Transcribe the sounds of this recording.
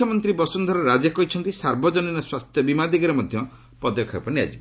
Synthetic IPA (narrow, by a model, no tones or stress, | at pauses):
jmɔnt̪ɾibɔsund̪ʱwaɾɔɾad͡ʒakɔɦit͡ʃʰɔnt̪isaɾbɔd͡ʒɔninɔswast̪ʰjɔbimad̪iɡɔɾemɔd̪ʱjɔ | pɔd̪ɔkʰapɔnia̰d͡ʒib